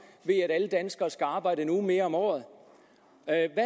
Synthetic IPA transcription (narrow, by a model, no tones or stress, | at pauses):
ʋe̝æɾæləd̥ænsɡ̥ɐːsɡ̥æɑ̈ːb̥ɑ̈ɪ̰d̥ənume̝ːɐɒ̽mɒ̰ːð̩ˠ | ʋæ